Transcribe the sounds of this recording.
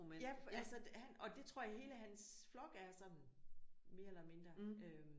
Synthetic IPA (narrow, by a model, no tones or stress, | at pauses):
mejæfælsɒhænʔɒ̽d̥e̝t͡sʰʁo̝ɐ̰jɦe̝ːləɦæns | flɒ̽ɡ̥əæɐsɒ̽dn̩ | me̝ɐelɐme̝nd̥ʁɐø